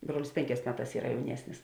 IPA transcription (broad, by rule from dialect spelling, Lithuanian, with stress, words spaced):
ˈbruɔlʲɪs ˈpʲeːŋʲˌkʲɛːs ˈmʲæːˌtɑːs ˈiːrɐ jɛʊˈnʲiɛsʲnʲɪs